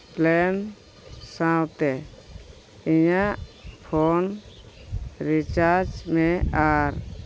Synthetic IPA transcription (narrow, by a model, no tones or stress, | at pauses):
plɛn | sãwt̪ɛ | iɲaʔpʰɔn | ɾit͡ʃaɾd͡ʒmɛ̃aɾ